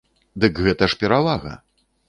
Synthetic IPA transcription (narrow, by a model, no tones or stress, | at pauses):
d̪ɨkɣɛt̪ɐʂpʲɛɾavaɣɐ̰